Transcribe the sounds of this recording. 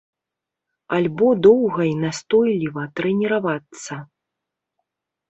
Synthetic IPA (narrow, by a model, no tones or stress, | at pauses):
alʲbɔd̪ɔwɣɐinast̪ɔjlʲivɐt̪ɾɛnʲɛɾavat̪sːɐ